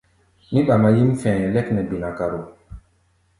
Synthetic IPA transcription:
mi˦ɓa˨ma˨ji˦m˦fɛ̃ː˨ɛ˨lɛ˦knɛ˨bi˨na˨ka˨ɾo˨

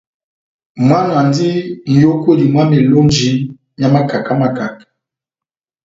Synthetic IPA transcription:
mwa˦n˨a˨ndi˦n̩˨jo˦ko˦di˨mwa˦me˨lo˦n˦d͡ʒi˨˦ | ja˦ma˦ka˨ka˦ma˨ka˨k

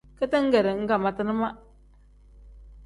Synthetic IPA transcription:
kə˦tɨ˦ŋ̩˦ɡɛ˨ɾɨ˨ŋ̩˦ka˨ma˨tɨ˦nɨ˦ma˦

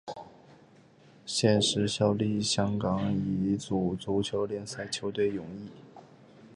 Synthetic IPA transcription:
ɕjɛ˥˧nʂɻ̩˧˥ɕjɑ˥ʊli˥˩ɕjɑ˥ŋkɑ˨˥ŋi˧˥t͡su˨˩t͡su˧˥t͡ɕʰjo˧˥ʊljɛ˥˧nsa˥˩ɪt͡ɕʰjo˧˥ʊt̪we˥˩ɪjʊ˨˩˦ŋi˥˩

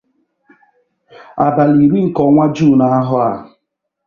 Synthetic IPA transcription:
a˨ba˨li˨ɾi˦ŋ̩˨kɔ˨˦ŋʷa˦d͡ʒuː˦˨na˨a˦ɦʊ˦a̰˨

